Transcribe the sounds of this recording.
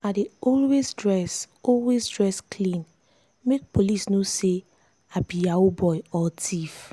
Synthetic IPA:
adeɔlwesdɹɛs | ɔlwezdɹɛskʰlĩn | mek̚polisnose | abijaobɔjɔtʰif

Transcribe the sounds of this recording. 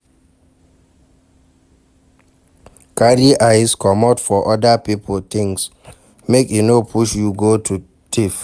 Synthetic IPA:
kaɾiʔaɪskʰɔmɔtfɔʔɔdapipʰəlt̪ɪ̃ŋs | mekinopʰuʃjuɡotʰu | tʰif

